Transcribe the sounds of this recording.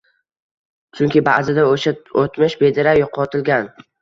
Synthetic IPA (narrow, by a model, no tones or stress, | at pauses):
t͡ʃʰʊŋʲkʲɪba̰zɪd̪aoʃaot̪mɪʃbed̪ɪɾajoqʰɒt̪ʰɪlɡʲan